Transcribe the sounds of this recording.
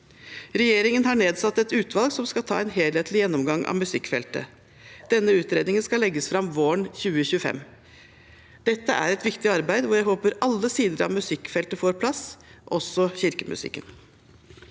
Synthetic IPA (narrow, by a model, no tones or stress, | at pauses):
ɾɛjeːɾɪŋənɦɑɳeːd̪sɑt̪ːɛt̪ʉːt̪ʰʋɑlɡsɔmskɑt̪ʰɑ̰ːɛnɦeːlheːt̪lɪjɛnːɔmɡɑŋʔɑ̰mʉsɪkːfɛ̰lt̪ə̰ | d̪̥ɛnːəʉːt̪ɾeːd̪nɪŋənskɑlɛɡːəsfɾɑmʋoːɳçʉːəçʉːəfɛ̰mː | d̪̥ɛt̪ːəʔæ̰ɾɛt̪ʋɪkt̪ɪɑɾbæɪd̪ʋɔjæɪɦoːpəɾɑlːəsiːd̪əɾɑ̰ʋmʉsɪkfɛlt̪əfoːɾpʰlɑsːʔɔsɔçɪɾkəmʉ̰sɪ̰kːə̰n